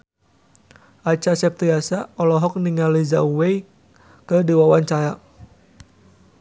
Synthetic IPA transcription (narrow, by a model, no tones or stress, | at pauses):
ʔat͡ʃasɛp̚t̪ɾiasaɔlɔɦɔk̚niŋaliza̰uwej | kədiwawaɲt͡ʃaja